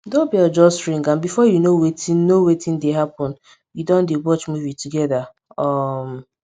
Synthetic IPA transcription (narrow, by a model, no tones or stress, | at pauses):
dõbiɔd͡ʒɔsɹĩŋɡãmbifɔjunowetĩnnowetʰĩndeɦapɔ̃n | judɔ̃ndewɔt͡ʃmuvituɡɛða | ɔm